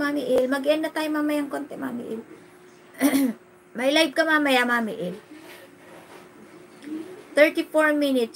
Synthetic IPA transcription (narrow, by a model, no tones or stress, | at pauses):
mamɪʔɪlmɐɡɪʔɐnːɐt̪aːjomamɐjaŋkont̪ɛma̰ːmɪ̰ʔɪl | mɐjlajb̚kɐmamɐjamaːmɪʔɪl | t̪ɛɹt̪ɪfoɹminɪt̪